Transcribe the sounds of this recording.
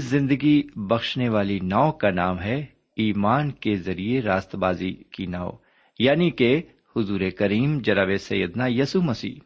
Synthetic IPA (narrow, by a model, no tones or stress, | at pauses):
szɪ̃nd̪əɡibɐxʃneʋaːlinaːokanaːmɦɛ | iːmaːnkezɐɾieɾaːst̪baːzikinaːo̰ | jaːnike | hʊzuːɾekɐɾiːmd͡ʒɐɾaʋesɐ̰jːəd̪najɐsumɐsḭː